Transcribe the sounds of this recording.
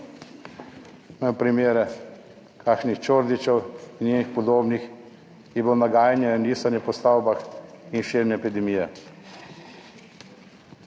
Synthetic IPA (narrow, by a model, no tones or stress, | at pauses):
nɛpɾimeːɾɛ | kʰaːkʃnixt͡ʃoːɾd̪it͡ʃɛwinnʲjeːnixpɔd̪oːbnix | jɛbonaɡaːjnjɛnniːsanjɛpɔst̪aːwbax | inʃiɾmnɛːpid̪ɛmijɛ